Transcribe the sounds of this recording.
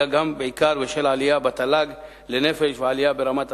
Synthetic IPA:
aɡambeʕikaɾveʃelʕalijabat̪alaɡ | lenefeʃveʕalijabeɾamat̪

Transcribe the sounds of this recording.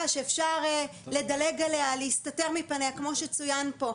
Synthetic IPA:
aʃeːfʃaʁle̞dale̞ɡalealeistate̞ʁmipaneakmo̞ʃet͡sujanpo̞

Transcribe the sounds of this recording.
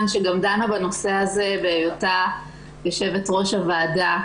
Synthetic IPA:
nʃeɡamdanabano̞se̞hazebeːjota | jaʃevetʁo̞ʃavaːda

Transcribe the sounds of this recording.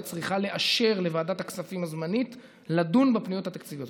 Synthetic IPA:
t͡sʁiχale̞ʔaʃe̞ʁle̞vaːdat̪haksafimazmanit | ladunbepnijo̞t̪hat̪akt͡sivjot

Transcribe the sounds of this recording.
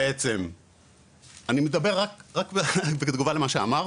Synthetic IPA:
et͡se̞m | animed̪abe̞ʁakʁakbed̪ɡuvalemaʃea̰maʁ

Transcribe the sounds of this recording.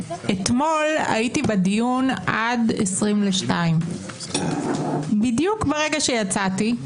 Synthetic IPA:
et̪mo̞la̰itibadijunʔadesʁimleʃtaim | bidjukbeʁe̞ɡaʃejat͡sati

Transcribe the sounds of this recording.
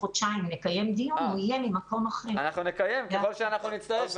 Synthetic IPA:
odʃaimnekaje̞md̪ijunuijemimako̞maχeanaχnunekajemkeχolʃeanaχnunit͡st̪aef

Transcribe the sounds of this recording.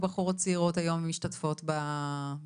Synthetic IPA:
baχuʁat͡siʁotajo̞mmiʃtatfo̞tba

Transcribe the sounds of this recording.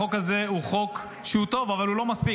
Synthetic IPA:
okaze̞uχo̞k | ʃeut̪o̞vavalulo̞maspi

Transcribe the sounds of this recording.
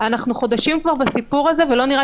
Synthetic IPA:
anaχnuχo̞d̪aʃimkvaʁbasipuʁaze̞velo̞niʁa

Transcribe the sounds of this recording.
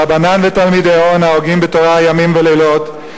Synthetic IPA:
abananvetalmidejonaoɡimbetoʁaajamimvelelo̞t

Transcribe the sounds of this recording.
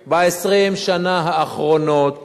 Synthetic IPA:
baesʁimʃanaɦaːχʁo̞not̪

